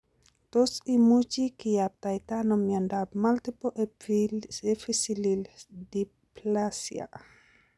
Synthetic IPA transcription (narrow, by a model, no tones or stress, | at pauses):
t̪osimut͡ʃikiap̚t̪ajt̪anomiandab̚malt̪ipoʔe | efisilildi | plasja̰